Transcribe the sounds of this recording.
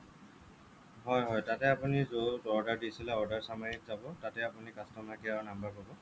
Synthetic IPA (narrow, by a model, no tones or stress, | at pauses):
ɦɔjɦɔjtatɛapunizotɔɹdaɹdisilɛɔɹdaɹsamaɹikzabɔtatɛapunikastɔmakijawnambapɔbɔ